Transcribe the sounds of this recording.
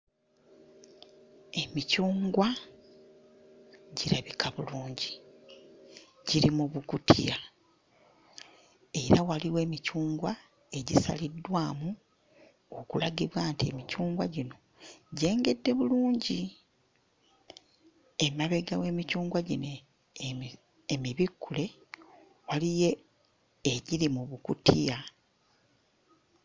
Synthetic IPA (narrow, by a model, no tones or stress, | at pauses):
e̞micuːŋɡwa | ɟiɾaβikaβuluːɲɟi | ɟiɾimuβukutʰḭa | e̞ɾawaliwe̞ːmicuːŋɡwa | e̞ɟisa̰lidːwaːmu | okulaɡiβwaːntie̞̰micuːŋɡwaɟino̞ | ɟe̞ːŋɡe̞dːe̞βuluːɲɟi | emaβe̞ɡawe̞ːmicuːŋɡwaɟine | miβikːule̞ | walije̞ː | ɟiɾimuβukutija